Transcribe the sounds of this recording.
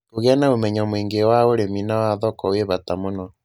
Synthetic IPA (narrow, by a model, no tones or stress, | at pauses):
koɣeanaomɛɲamwiːŋɡewaoɾeminawaðɔkɔweβatamonɔ